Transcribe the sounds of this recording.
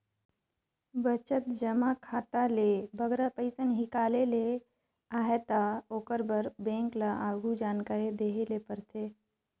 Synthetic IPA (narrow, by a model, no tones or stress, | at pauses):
bət͡ʃət̪̚d͡ʒəmakʰaːt̪alebʱəɡɾapəɪsənɦɪkaːlele | aːɦet̪aoːkəɾbəɾbẽːŋklaʔaːɡʱud͡ʒaːnkaːɾed̪eːɦelepəɾt̪ʰeː